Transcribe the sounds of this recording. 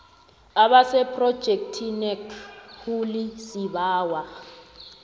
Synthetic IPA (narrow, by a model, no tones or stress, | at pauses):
aɓasɛpʰʼrɔd̥ʒ̥ʱek̚tʰinɛkʰhulisiɓaːwa